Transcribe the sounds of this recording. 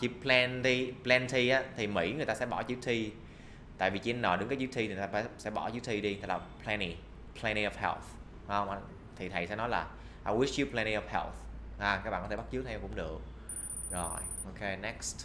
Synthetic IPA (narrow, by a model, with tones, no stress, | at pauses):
t͡ɕi˨˦˥plɛ˧nt̪i˧plɛ˧nt̪ʰi˧ʔaː˨˦t̪ʰi˨˩mḭ˧˥ŋɨ˨˩t̪a˧sɛ˧˥ɓɔ˧˩t͡ɕi˨˦˥k̚t̪ʰi˧ | t̪a̰ː˧˨jvi˨˩t͡ɕi˧nnɔ˨˩ɨ˨˦ŋkaː˨˦jt͡ɕi˦˥kt̪ʰi˧i˨˩a˧faː˧˩˥sɛ̰˧˥ɓɔ˧˩t͡ɕi˨˦˥k̚t̪ʰi˧ɗi˧t̪a˨˧˩klaː˨˩pʰlɛ˧ni˧ | pʰlɛ˧ni˧ɔ˨fhɛ˧˩θ | ha˨˦hə˧wŋ͡mʔa˧ | t̪ʰi˨˩t̪ʰə˨˩jsɛ̰˧˥nɔ˨˦jlaː˨˩ | ʔa˧wi˦˥ʂt͡ɕi˨˦plɛ˧ni˧ɔ˨˩fhɛ˧˥˩θhaː˨˧˩kaː˦k̚ɓaː˧˨kɔ˦tʰt̚t͡ɕɨ˦˥k̪̚ʰɛ˧kʊ̰˧˥ŋ͡mɗɨ˨˩ək̚ | zo˨˩jʔo˧ke˧nɛ˦˥kst